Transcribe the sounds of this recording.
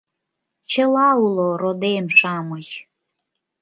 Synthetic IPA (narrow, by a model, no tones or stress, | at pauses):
t͡ɕəlɑuloɾod̪emʃɑmət͡ɕ